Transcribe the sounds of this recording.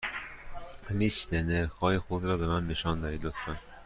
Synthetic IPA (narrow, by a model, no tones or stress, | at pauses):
liʃt̪eneɾxɒːjexud̪ɾɒːbemænːeʃɒːnd̪ɒːd̪iːd̪okt̪ɑn